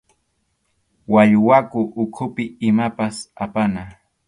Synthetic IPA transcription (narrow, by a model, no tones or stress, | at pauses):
waʎwakʊʔːkʰʊpɪɪmapasapana